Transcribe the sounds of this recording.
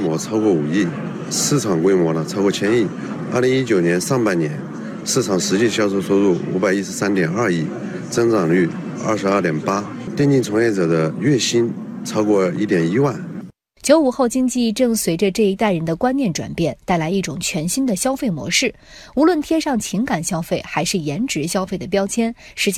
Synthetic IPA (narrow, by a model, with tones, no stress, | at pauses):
mwɔ˧˥t͡sʰɑ˥ʊkwɔ˥˩u˨˩i˥˩ | sɹ̩˥˩ʈ͡ʂʰɑ˨˩ŋkwe˥ɪmwɔ˧˥lə˧t͡sʰɑ˥kwɔ˥˧t͡ɕʰjɛ˥ni˥˩ | a˥˩li˧˥ŋi˥t͡ɕjo˨˩ʊnjɛ˧˥nʂɑ˥˧ŋpa˥˩ɪnjɛ˧˥n | sɹ̩˥˩ʈ͡ʂʰɑ˨˩ŋʂɻ̩˧˥t͡ɕi˥˩ɕjɑ˥ʊsʰo˥˧ʊso˥ʊt̪u˥˩ṵ˧˥ba˨˩ɪi˥ʂɻ̩˥˧sa˥nt̪jɛ˨˩nɐ˥˧i˥˩ | t͡sɤ˥ŋt͡sɑ˨˩ŋly˥˩ | ɐ̰˥˩ʂɻ̩˧˥˧t̪jɛ˨˩npa˥ | t̪jɛ˥˧nt͡ɕi˥˩nt͡sʰʊ˧˥ŋjɛ˥˩ʈ͡ʂɤ˨˩d̪ə˦ɥɛ˥˩ɕi˥nt͡sʰɑ˥ʊkwɔ˥˧˩i˥˩t̪jɛ˨˩ni˥wa˥˩n | t͡ɕjo˧˥ʊu˨˩xo˥˩ʊt͡ɕi˥ŋt͡ɕi˥˧ʈ͡ʂɤ˥˩ŋswe˧˥ɪʈ͡ʂə˧ʈ͡ʂɤ˥˩i˧˥t̪a˥˩ɪɻə˧˥nd̪ə˧kwa˥nnjɛ˥˩nʈ͡ʂwa̰˨˩npjɛ˥˩nt̪a˥˩ɪla˧˥ɪi˥˩ʈ͡ʂʊ˨˩ŋt͡ɕʰɥɛ˧˥nɕi˥nd̪ə˨ɕjɑ˥ʊfe˥˩ɪmwɔ̰˧˥ʂɻ̩˥˩ | u˧˥lwə˥˩nt̪ʰjɛ˥ʂɑ˥˩ŋt͡ɕʰi˧˥ŋka˨˩nɕjɑ˥ʊfe˥˩ɪxa˧˥ɪʂɻ̩˥˩jɛ˧˥nʈ͡ʂɻ̩˧˥ɕjɑ˥ʊfe˥˩ɪd̪ə˩p̬jɑ˥ʊt͡ɕʰjɛ˥n | ʂɻ̩˧˥t͡ɕ